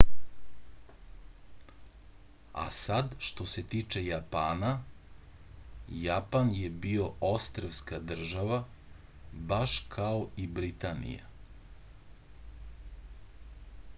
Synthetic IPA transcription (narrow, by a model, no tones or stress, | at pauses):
a̰sad̪ʃt̪o̞se̞t̪iːt͡ʃe̞japaːna | japanjebio̞ʔost̪ɾeʋskad̪r̩ʒaʋa | baʃkʰao̞ibɾit̪anḭja̰